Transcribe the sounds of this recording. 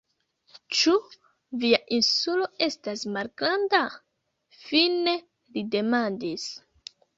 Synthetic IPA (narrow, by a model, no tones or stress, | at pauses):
t͡ʃu | viaʔinsulo̞e̞stasmalɡɾanda | fine | lide̞mandis